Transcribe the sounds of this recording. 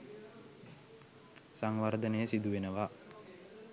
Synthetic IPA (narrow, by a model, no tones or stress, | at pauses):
saŋʋard̪ənəjəsid̪uʋenəʋa